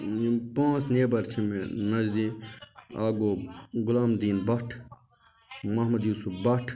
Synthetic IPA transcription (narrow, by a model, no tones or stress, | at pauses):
pãːt͡sneːbɐɾt͡ʃʰimenɐd͡ʒd̪i | aːɡoːɡʊlaːmd̪iːnbɐʈʰ | mɐɦmɐd̪juːsufbɐʈʰ